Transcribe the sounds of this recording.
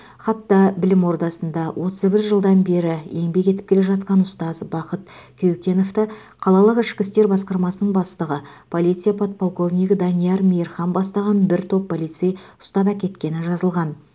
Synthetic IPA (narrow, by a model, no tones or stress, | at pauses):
χɑt̪ːɑbɪlɪmwo̞ɾd̪ɑsənd̪ɑwʔo̞t̪əzbɪɾʒəlˠd̪ɑnbe̞ɾɪe̞ŋbe̞kʲe̞t̪ɪ̥pkʲʰe̞le̞ʒɑt̪̚qɑnʊst̪ɑzbɑqət̪̚ | kʲʰewkʲe̞no̞ft̪ɪ | qʰɑlˠɑlˠəqɪʃkʲɪst̪e̞ɾbɑsqɑɾmɑsənəɴbɑst̪əʁə | pʰo̞lˠijt̪sɨjapʰot̪̚pʰolˠko̞vnijkd̪ɑnijɑɾmijeɾχɑnbɑst̪ɑʁɑnbɪɾt̪ʰo̞pːolijt̪sejʊ̥st̪ɑpækʲe̞t̪kʲe̞nɪʒɑzəlˠʁɑn